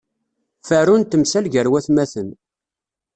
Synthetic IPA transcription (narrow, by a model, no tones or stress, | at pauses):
fəɾunt̪əmsælʝəɾwæθmæθən